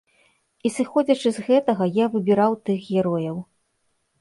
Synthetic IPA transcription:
isɨxɔd͡zʲɐt͡ʂɨzɣɛt̪ɐɣɐjavɨbʲiɾawt̪ɨxɣʲɛɾɔjɐw

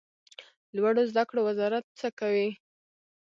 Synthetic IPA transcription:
lwaɽozd̪akɽowazɑɾat̪̚t͡səkawi

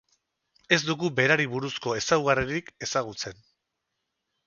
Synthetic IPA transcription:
e̞zd̪uɣube̞ɾaɾiβuɾusko̞e̞sawɣariɾike̞saɣut͡se̞n

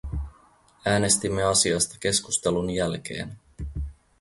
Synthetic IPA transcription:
æːne̞st̪imːe̞ɑsiɑst̪ɑ̥k̟e̞skust̪elunjælk̟e̞̰ːn

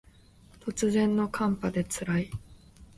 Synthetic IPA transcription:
t̪o̞t͡sɨzẽ̞nːo̞kʰãmpad̪e̞t͡sɨɾai

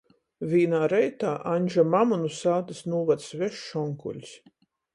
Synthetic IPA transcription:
vʲiːnaːɾɛjt̪aːʔaɲʲʒamamunusaːt̪ɨsnuːvat̪svɛʃːɔŋkṵlʲs

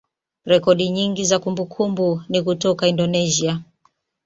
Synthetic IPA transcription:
ɾɛkɔɗiɲiŋɡizakumbukʰumbunikutɔkaindɔnɛzia

